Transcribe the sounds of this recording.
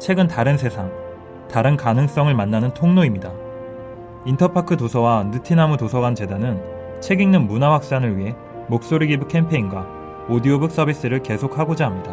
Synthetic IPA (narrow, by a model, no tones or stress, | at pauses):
t͡ɕʰe̞ɡɯntaɾɯnsʰe̞sʰaŋ | taɾɯnkanɯŋs͈ʌŋɯɭmanːanɯntʰoŋnoimɲida | intʰʌpʰakʰɯtosʰʌwanɯtʰinamutosʰʌɡant͡ɕe̞danɯn | t͡ɕʰe̞ɡiŋnɯnmunawak̚s͈anɯɭɥiɦe̞ | mok̚s͈oɾiɡibukʰe̞mpʰe̞inɡwa | odiobɯk̚s͈ʌbis͈ɯɾɯɭke̞sʰok̚ʰhaɡod͡ʑaɦamɲida